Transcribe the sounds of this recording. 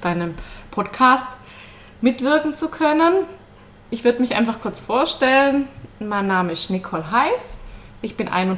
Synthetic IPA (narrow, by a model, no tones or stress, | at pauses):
d̥aɪnəmpʰɔtkʰaːst | mɪtv̥ɪɐkŋ̩t͡sukʰœnən | ʔɪçv̥ʏɐdəmɪçʔa̰ɪnfaχkʰʊɐt͡sfoːɐʃtɛlənmaɪnːaːməɪstnɪkʰɔlɦaɪsʔɪçb̥ɪnʔa̰ɪnʊnt